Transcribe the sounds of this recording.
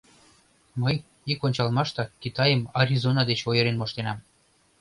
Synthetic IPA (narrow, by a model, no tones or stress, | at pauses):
məj | ikonʲt͡ɕɑlmɑʃt̪ɑkit̪ɑjəmaɾʲizonɑd̪et͡ɕojəɾenmoʃt̪enɑm